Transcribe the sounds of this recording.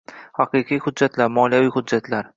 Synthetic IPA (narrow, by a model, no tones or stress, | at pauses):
hɑqʰɨqʰijhʊd̪ːat̪ʰlaɾmɒljavijhʊdd͡ʒːat̪ʰlaɾ